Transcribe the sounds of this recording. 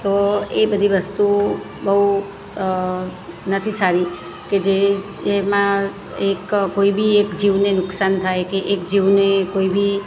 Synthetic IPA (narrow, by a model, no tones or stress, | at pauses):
t̪oebəd̪ʱiʋəst̪u | bəɦu | nət̪ʰisaɾi | ked͡ʒe | mã | ekkoibiekd͡ʒiʋnenʊksant̪ʰajkeʔekd͡ʒiʋnekoibi